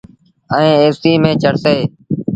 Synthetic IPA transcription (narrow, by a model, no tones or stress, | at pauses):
əẽːeːsiːmẽːt͡ʃəɽseː